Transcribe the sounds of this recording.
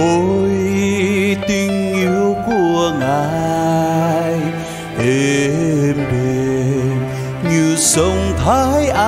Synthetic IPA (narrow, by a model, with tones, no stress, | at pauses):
o˧˨j | t̪i˧ŋʔi˧˥wku˧˩əŋaː˨˩ | j | he˨ | mɓe˨˩ | ɲɨ˧sə˧wŋ͡mt̪ʰa˧jʔa˧